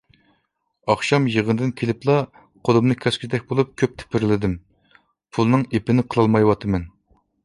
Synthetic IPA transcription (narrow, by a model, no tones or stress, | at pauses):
ɑχʃɑmjəʁənd̪ɨnkʲʰelɪplˠɑ | qʰolɨmnɨkʲʰæskʲʰid̪ɛk̚ʲbolˠup̚kʲʰøp̚t̪ʰɪ̥pʰɪɾlɪd̪ɪm | pʰulˠnɨŋepɪnɪqʰəlˠɑlˠmɑjwɑt̪ʰɨmɛn